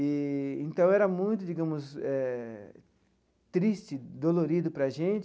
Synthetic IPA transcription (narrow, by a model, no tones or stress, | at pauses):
ɪẽnt̪ɐ̃w̃ɛɾɐmũj̃t̪ʊd͡ʒiɡɐ̃mʊsɛ | t̪ɾist͡ʃɪd̪oloɾid̪ʊpɾɐʒẽnt͡ʃ